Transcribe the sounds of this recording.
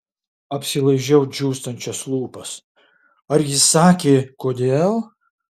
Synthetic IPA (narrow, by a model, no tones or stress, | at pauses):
ɐpʲsʲɪlˠɐɪʒʲɛʊd͡ʒʲuːst̪ɐnʲt͡ʃʲɛslˠuːpɐs | ɐɾjɪsɑːkʲeːkoːd̪ʲeːlˠ